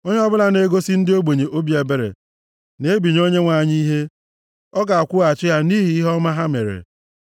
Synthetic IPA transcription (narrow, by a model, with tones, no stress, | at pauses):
o˦ɲe˦ɔ˦bʊ˦la˦ne˦ɡo˦si˦n̩˦dɪ˦o˦ɡ͡be˨ɲe˨ʔo˦bi˦e˨be˦ɾḛ˨ | ne˨˦bi˨ɲ˦o˦ɲe˦ŋʷa˨ɲi˦ɦe˦ | ɔ˦ɡa˨a˨kʷʊ˦a˨t͡ʃɪ˦ja˦ni˦ɦi˨i˦ɦɔ˦ma˦ɦa˦me˨ɾḛ˨